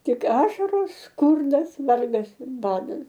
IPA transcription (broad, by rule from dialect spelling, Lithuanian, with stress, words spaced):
ˈtʲɪk ˈɑːʃɐroːs ˈskʊrdɐs ˈʋɐrɡɐs ɪr ˈbɑːdɐs